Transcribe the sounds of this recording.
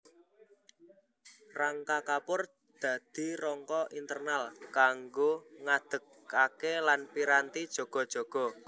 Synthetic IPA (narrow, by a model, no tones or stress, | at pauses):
raŋkakapʊr | d̪̥ä̤d̪̥i̤rɔŋkɔʔint̪ərnalkaŋɡoŋad̪̥ə̤k | akelanpiɾant̪id̥ʒ̥ɔ̤ɡ̥ɔ̤d̥ʒ̥ɔ̤ɡ̥ɔ̤